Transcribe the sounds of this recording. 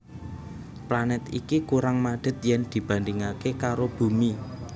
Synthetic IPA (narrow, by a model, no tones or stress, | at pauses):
planɛt̪ḭkikuɾaŋmaɖ̥ə̤t̪̚jɛnd̪̥i̤b̥ä̤nd̪iŋakekaɾob̥ṳmi